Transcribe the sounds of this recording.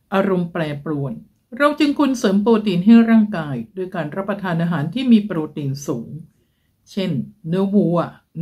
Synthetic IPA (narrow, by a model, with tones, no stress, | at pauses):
ʔaː˧ɾo˧mplɛː˧plu˧əj | ɾa˧wt͡ɕɯ˧ŋkʰu˧nsɤː˩˦mpuː˧t̪iː˧nɦa˥˩jɾaː˥˩ŋkaː˧jdoː˧jkaː˧nɾa˦˥pːɾa˧t̪ʰaː˧nʔaː˧ɦaː˩˦nt̪ʰiː˥˩miː˧pɾuː˧t̪iː˧nsuː˩˦ŋ | t͡ɕʰe˥˩nːɯ˦˥wuː˧ɐ˧˩